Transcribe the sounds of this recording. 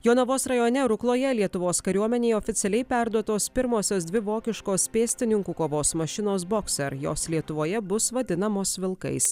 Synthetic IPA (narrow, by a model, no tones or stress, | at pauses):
joːnɐʋoːsɾɐjoːnʲɛɾʊklˠoːjɛlʲiɛt̪ʊʋoːskɐɾʲuɔmʲɛnʲeːɪoːfʲɪt̪sʲɛlʲɛɪpʲæɾd̪uɔt̪oːspʲɪɾmoːsʲoːs̬d̪ʲʋʲɪʋoːkʲɪʃkoːspʲeːsʲt̪ʲɪnʲɪŋkuːkoːʋoːsmɐʃʲɪnoːs̬boːksʲɛɾjo̰ːslʲiɛt̪ʊʋoːjɛbʊsʋɐd̪ʲɪnɐmoːsʋʲɪlˠkɐ̰ɪs